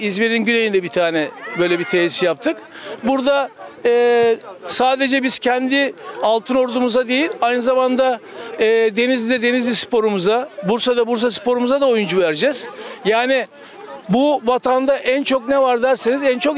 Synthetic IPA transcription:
izmeɾinɟynejind̪ɛbit̪ʰaːnɛbø̞jlʲɛbit̪ʰeːisijap̚t̪ʰɯk | buɾd̪aɛːsaːd̪e̞d͡ʒɛbiz̥cʰɛnd̪ɪalˠt̪ʰɯno̞ɾd̪umuzad̪e̞jilʲajnɯzamand̪aː | d̪e̞nizʲd̪ɛd̪e̞nizlʲispʰo̞ɾumuzabuɾsad̪abuɾs̬asɯ̥pʰo̞ɾumuzad̪ao̞jund͡ʒuvæɾd͡ʒɛz̥jaːnɪ | buvat̪ʰand̪aʔænt͡ʃʰo̞knɛvaɾd̪æɾsinizænt͡ʃʰo̞

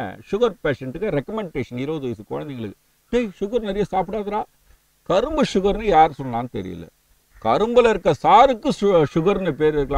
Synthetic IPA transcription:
ʂʊɣɐɾpeːʂɛɳʈɯkːɐɾɛkːɐmɛɳɖeːʂɐnɪɾɐʋɐðɯʋɐsɯko̰ːɻɐnd̪ɛŋɡɐɭɯkːɯ | neːʂʊɣɐɾnɛɾɪjɐsaːpɪɽaːðɐɾaː | kɐɾɯmbɯʂʊɣɐɾnɯjaːɾsɔnːɐlaːnɯt̪ɛ̰ɾɪ̰jɯ̰lːɐ̰ | kɐɾɯmbɐlɪɾɯkːɐsaːɾɯkːɯʂʊɣɐɾnɯp̬eːɾɪɾɯkːɐlãː

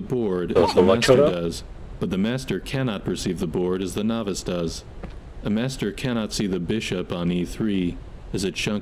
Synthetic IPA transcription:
əbɔɹɾɨzðmæsə˞dʌz | b̥ʌt̪̚ðɨmæstə˞kʰænɑt̚pʰə˞sivðəbɔɹɾɨzðənɑvɨsd̥ʌz | əmæstə˞kʰæñɑtsiðɨbɪʃɨpn̩iθɹiɨzɨtʃʌ̃ŋ

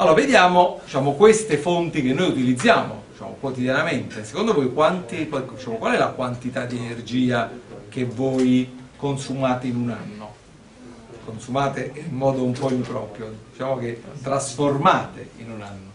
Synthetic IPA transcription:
alːoːɾaved̪jaːmod̪it͡ʃaːmokwest̪efont̪ik̟enːojut̪ilid̪zːjaːmo̰d̪it͡ʃa̰ːmo̰kwot̪id̪janament̪ese̥kond̪ovojkwant̪ipɔd̪it͡ʃaːmokwalɛlakwant̪it̪ad̪ːienerd͡ʒiːakevːoːjkonsumaːt̪einunanːo | konsumaːt̪eimmɔːd̪oumpɔimpɾɔːpɾjoit͡ʃaːmok̟et̪ːɾasformaːt̪eḭnunanːo

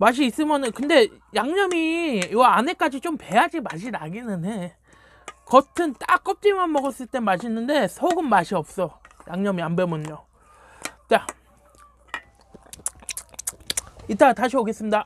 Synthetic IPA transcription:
maɕ̬ʰiːs͈ɯmjʌnɯnkɯnde̞ | jaŋɲʌmiaane̞k͈ad͡ʑit͡ɕompe̞ɦad͡ʑimaɕʰinaɡinɯne | kʌtʰɯnt͈ak͈ʌp̚t͡ɕ͈imanmʌɡʌs͈ɯɭt͈e̞maɕ̬ʰinːɯnde̞sʰoɡɯnmaɕʰiʌp̚s͈ʌjaŋɲʌmiambemoɲːo | t͡ɕa | it͈ataɕʰioɡes͈ɯmɲida

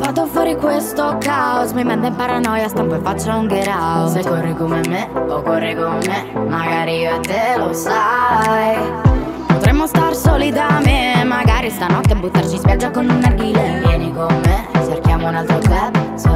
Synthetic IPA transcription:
fat̪ːofwɔːɾikwest̪okaosmimːɛmd̪ɛmpaɾanɔjast̪ampoefːat͡ʃːauŋɡeɾaosekːɔrːikomemeokːɔrːikommːemaɡaːɾiioat̪ːelosaj | pot̪ɾɛmːost̪arsɔlid̪amemːaɡaɾist̪anɔt̪ːeabːut̪ːart͡ʃispjad͡ʒːakonunːaɡilevjɛnikomːet͡ʃːerkjaːmounalt̪ɾot̪ɛ

